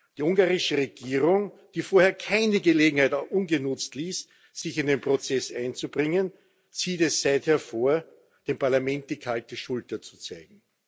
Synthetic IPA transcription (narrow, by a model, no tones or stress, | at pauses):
d̥iːʊŋɡaːʁɪʃəʁeɡ̥iːʁʊŋd̥iːfoːɐheːɐkʰaɪnəɡəleːɡŋ̩haɪtʔʊnɡənʊt͡stliːs | z̥ɪçɪndeːnpʁ̥ot͡sɛsʔaɪnt͡sub̥ʁɪŋən | t͡siːtɛssæɪtheːɐfoːɐ | d̥eːmpaɐlamɛ̃nt̚d̥iːkʰaltəʃʊltɐt͡su̥t͡saɪɡŋ̩